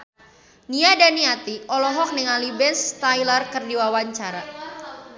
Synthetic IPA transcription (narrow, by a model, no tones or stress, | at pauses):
niadaniat̪iʔɔlɔɦɔk̚nəŋalibɛnst̪ajlərkərdiwawaɲt͡ʃaɾa̰